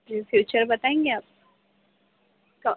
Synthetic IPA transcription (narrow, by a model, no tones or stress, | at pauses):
ifjuːt͡ʃəɾbɐt̪aːẽːŋɡeaːp̚ | kɐ